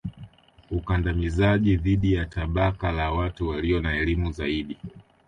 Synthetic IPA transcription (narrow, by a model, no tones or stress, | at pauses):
ukandamizaʄiðiɗijataɓakalawatuwaliɔnaɛlimuza̰iɗi